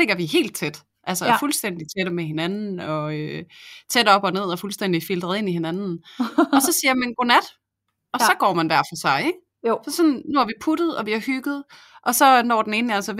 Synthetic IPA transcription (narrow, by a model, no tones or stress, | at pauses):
le̝ɡ̥ɐʋiɦe̝̰ːld̥̚t͡sʰed̥ | ʔælsəfulsd̥en̰d̥it͡sʰeɾ̥əmeɦe̝nænn̩ɒ̽øt͡sʰed̥ɒ̽b̥ɒne̝ð̞̰ˠɒ̽fulsd̥en̰d̥ifild̥ʁɐð̩ˠe̝nihe̝nænn̩ɒ̽sɒ̽siːɐmenɡ̥o̝næd̥ | ʔɒ̽sɒ̽ɡ̥ɒ̰ːmænʋæɐ̰fɒsɑ̈ɪeɡ̥ | sɒ̽sɒ̽nnuæɐʋipʰud̥ð̩ˠɒ̽ʋiæhyɡ̥ð̩ˠ | ʔɒ̽sɒ̽nɒ̰ːd̥en̩e̝ːnælsə